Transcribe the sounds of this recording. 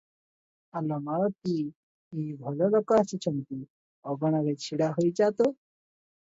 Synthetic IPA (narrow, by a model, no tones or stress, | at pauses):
alɔmaɾɔt̪̚i | ibʱɔlɔlokɔasit͡ʃʰɔmt̪i | ɔɡɔɽ̃aɾet͡ɕʰiɽaɦojd͡ʒat̪o